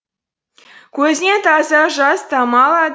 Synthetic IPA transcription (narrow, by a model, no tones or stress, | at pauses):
kɵzʲnʲet̪ɑzɑʒɑst̪ɑmɑlˠɑd̪